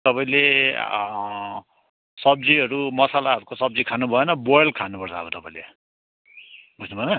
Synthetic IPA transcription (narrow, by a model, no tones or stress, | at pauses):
t̪ʌpaĩle | sʌb̚d͡ziʌɾumʌsalaɦʌɾukosʌb̚d͡zikʰanubʱʌenʌbojlkʰanupʌrt͡sʰʌ̰bʌt̪ʌpaĩle | bʌsʰnubʱʌenʌ